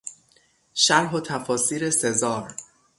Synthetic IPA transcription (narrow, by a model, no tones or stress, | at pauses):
ʃæɾɦot̪ʰæfɒːsiːɾe̞se̞zɒːɾ